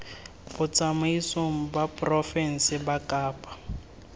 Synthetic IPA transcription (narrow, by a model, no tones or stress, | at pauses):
bʊt͡sʼamaisom̩bapʼrɔfɛn̩sɪbakʼaːpʼḁ